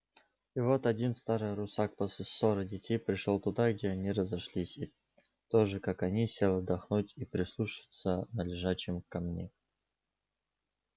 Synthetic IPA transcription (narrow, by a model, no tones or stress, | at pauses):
ivot̪ɐdʲinst̪aɾɨjɾʊsak̚pəsɨssːoɾɨdʲɪtʲejpɾʲɪʂolˠt̪ʊd̪aɡ̚dʲeɐnʲiɾəzɐʂlʲisʲi | t̪oʐɨkakɐnʲisʲelˠəd̪ɐxnutʲipɾʲɪslˠuʂɨ̥t̪sənəlʲɪʐaɕɪmkɐmnʲe